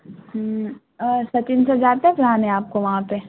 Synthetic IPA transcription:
sɐt͡ʃɪnsad͡ʒaːt̪ɦɛ̃pʊɾaːnɛ̃aːp̚koʋɐɦãpe

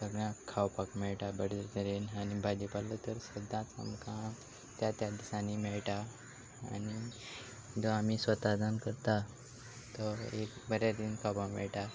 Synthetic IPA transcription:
səɡɽãkʰawpakmɛɭʈabəɽəɾt̪əɾenanibʱadipalːət̪əɾsəd̪ʱːãt͡sə̰mkʰã | t̪jat̪jad̪isãnimɛɭʈa | a̰ni | d͡zɔamisʋət̪ad̪ʱankəɾt̪a | t̪ɔekbəɾjaɾd̪inkʰawpakmɛ̰ɭʈa

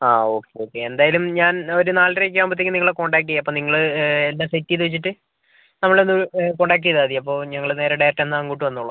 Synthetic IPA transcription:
aːo̞ːkːe̞joːkːe̞end̪aːjɐlumɲaːno̞ɾunaːlrekʲːiɐmbɐt̪ːikʲːɨniŋɐɭeko̞ːɳɖaːk̬ːijɐpːo̞ːniŋːɐɭelːaːsetːijt̪uʋit͡ɕːiʈːɨ | nɐmːɐɭenːuko̞ːɳɖaːk̬ːijɐðaːðijɐpːo̞ːɲɐŋːɐɭneːɾeɽajrɐʈːenːɨaŋkuːʈːɨʋɐnːuɭːɐ

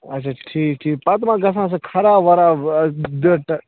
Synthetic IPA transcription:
ɐtːt͡ʃʰaʈʰiːkʈʰiːk̚pat̪mãɡɐs̬ãs̬ɨkʰɐɾaːʋɐɾaːd̪əʈ

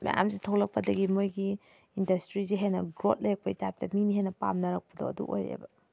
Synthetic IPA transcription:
ma̰ja̰msitʰowlɐk̚pɐdɐɡimojɡiː | ndɐstɾiziɦajnɐɡɾot̚lejɐk̚pɐitajp̚tɐminiɦajnɐpa̰mnɐɾɐk̚pɐdo̰ɐdṵʔojɾḛbɐ

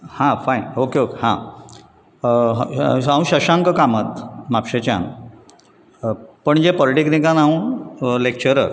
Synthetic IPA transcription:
hãfainokeokehã̰ | ɦaũɕəɕãŋkəkamət̪mapɕet͡ɕã̰n | pəɳd͡ʑepɔliʈiknikãnaũlek̚t͡ɕəɾəɾ

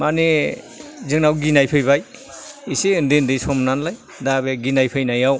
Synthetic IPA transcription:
mani | zɯŋnawɡinajpʰɯjbaj | isiɯndɯndɯjsɔmnanlaj | dabeɡinajpʰɯjnajaw

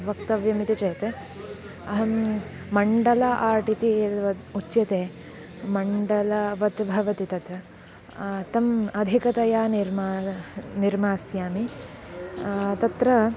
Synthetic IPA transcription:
ʋɐkt̪ɐʋjɐmit̪it͡ʃɐjt̪e | ɐɦɐm | mɐɳɖɐlaʔaːʈit̪it̪ʋɐut͡ʃːjɐt̪eː | mɐɳɖɐlɐʋɐt̪bʱɐʋɐt̪it̪ɐt̪ɐ | t̪ɐmɐd̪ʱikɐt̪ɐjaːniɾmaniɾmaːsjaːmi | t̪ɐt̪ɾɐ

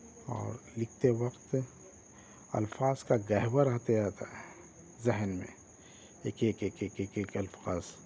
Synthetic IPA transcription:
ɔ̰ːɾlɪk̚ʰt̪ewɐqt̪ | ɐ̰lfaːz̥kaɡɐɦbəɾəɦt̪eaːt̪aɦɛ | zɛɦnmḛ̃ | eːkeːkeːkeːkeːkeːkɐlfaːz̥

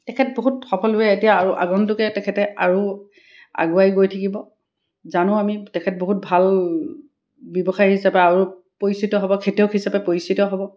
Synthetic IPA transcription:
tɛkʰɛt̚boɦutxɔpʰɔlujɛetijaaɹuʔa̰ɡɔntʊkɛtɛkʰɛtɛaɹu | a̰ɡuajɡojtʰakibɔ | zanʊ̃amitɛkʰɛt̚boɦut̚bʱal | bjɔbɔxaɹhisapɛaɹu | poɹisitɔɦɔbɔkʰetiɔʊkɦisapɛpoɹisitɔɦɔbɔ

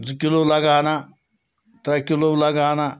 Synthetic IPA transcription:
zkɪlolɐɡaːna | t̪ɾɐkilolɐɡaːna

